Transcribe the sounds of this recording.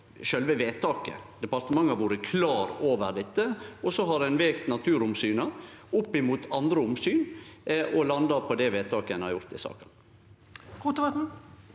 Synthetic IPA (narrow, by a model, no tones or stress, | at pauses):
ʃœlʋəʋeːt̪ɑːkə̰d̪ɛpɑɾt̪əmɑŋːɑʋuːɾəkʰlɑːɾoːʋəɾd̪ɛt̪ːəɔsɔɦɑdɛnʋeːkt̪nɑt̪ʰʉːɾʊmsyːnəʊpːɪmuːt̪ʰɑnd̪ɾəʊmsyːnʔɔlɑnd̪ɑɾpʰɔd̪ɛʋeːt̪ʰɑːkəɛnɑɾjʊɾt̪ɪsɑ̰ːkən | kʰuːt̪əʋɑt̪n̩